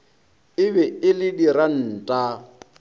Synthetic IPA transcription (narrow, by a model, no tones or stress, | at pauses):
ɪbɛɪlɪdiɾan̩ːtʼa